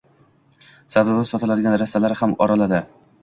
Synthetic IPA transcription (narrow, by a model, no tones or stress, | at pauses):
sab̪abasɒt̪ʰɪlad̪ɪɡʲanɾast̪ːalaɾhamɒɾalad̪ɪ